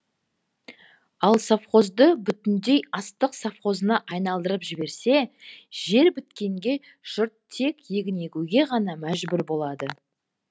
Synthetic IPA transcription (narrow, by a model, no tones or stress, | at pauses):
ɑlˠsafχo̞zd̪əbʏt̪ɪnd̪e̞jɑst̪əqsafχo̞zənɑʔɑjnɑlˠd̪əɾəpʒɪbe̞ɾse̞ʒ̥e̞ɾbʏt̪kʲe̞ŋɡʲe̞ | ʒ̥ʊɾt̪ʰːe̞kʲje̞ɡʲɪne̞kʲuɡʲe̞ʁɑnɑmæʒbʏɾbo̞lˠɑd̪ə